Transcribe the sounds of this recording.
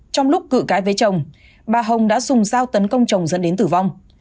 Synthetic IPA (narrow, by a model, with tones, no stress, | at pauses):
t͡ɕɔ˧wŋ͡mlʊ˦˥k͡p̚kɨ̰˧˨kaː˨˦jve˨˦t͡ɕə˨˩wŋ͡m | ɓaː˨˩ɦə˨˩wŋ͡mɗa̰ː˧˥zʊ˨˩ŋ͡mzaː˧wt̪ə˨˦nkə˧wŋ͡mt͡ɕə˨˩wŋ͡mzə̰˧˥nɗe˨˦nt̪ɨ˧˩va˧wŋ͡m